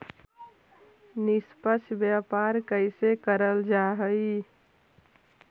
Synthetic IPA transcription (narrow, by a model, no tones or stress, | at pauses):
nɪspəsbjapaːɾkəɪsekəɾəld͡ʒaɦəi